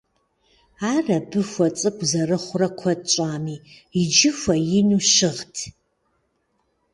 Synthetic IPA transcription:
aːrɐbɨxʷɐt͡sʼɨkʷʰʼzɐrɨχʷʊrɐkʷʰɐt͡ʃʷʼaːmiːid͡ʒɪfʷɐjɪnuʃɪʁtʰ

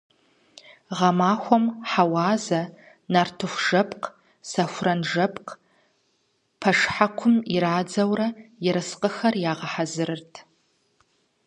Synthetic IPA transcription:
ʁɐmaːxʷɔmħawaːzɐ | nartʰɨxʷʒ̥ɐpʰʼq | sɐxʷʊrɐnʐɐpʰʼq | pʰɐʂħakʷʰʊmiɾaːd͡zɐwrɐjɪɾɨsqʼəxɐrjaːʁɐħazɨɾɨrtʰ

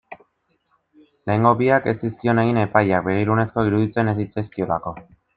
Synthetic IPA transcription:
le̞eŋɡo̞biake̞st̪iskio̞ne̞ɣ̞ine̞pajak̚be̞ɣ̞iɾunesko̞iɾuðit͡se̞ne̞s̬it͡seskio̞lako̞

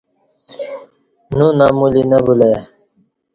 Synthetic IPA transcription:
nũnaːmulinəbule

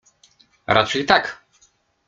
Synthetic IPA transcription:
ɾʔa̰t͡ʂɛjt̪ak

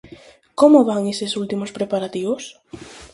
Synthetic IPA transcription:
komʊβaŋesesult̪imospɾepaɾat̪iβʊs

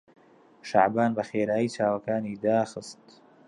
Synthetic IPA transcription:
ʃa̰ʕbaːnbɐxeːɾaːjit͡ʃaːwɐkaːniːd̪aːxɨst̪

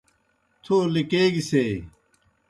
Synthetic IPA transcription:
t̪ʰoːlikeːɡiseː

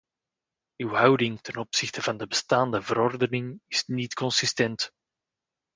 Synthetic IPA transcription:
ywɦʌwdɪŋtɛnɔpsɪxtəvɑndəbəstaːndəvəɾɔrdənɪŋɪsnitkɔnsɪstɛnt

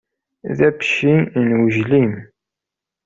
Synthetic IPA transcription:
ðæbʃinwəʒlim

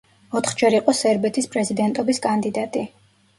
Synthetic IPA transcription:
ɔt̪ʰχd͡ʒɛɾiqʼɔsɛɾbɛt̪ʰispʼɾɛzid̪ɛnt̪ʼɔbiskʼand̪id̪at̪ʼi

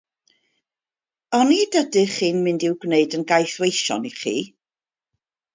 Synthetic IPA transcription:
ɔnidədɨχiːnmɪndɪwɡneɨdənɡajθwejʃɔ̰niχḭː

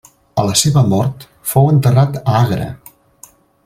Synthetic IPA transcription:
ələseβəmɔɾt̪ | fowənt̪ərat̪əaɣɾə̰

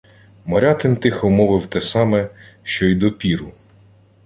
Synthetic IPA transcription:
mɔɾʲɑt̪ɪnt̪ɪxɔmɔʋɪwt̪ɛsɑmɛʃt͡ʃɔjd̪ɔpʲiɾʊ

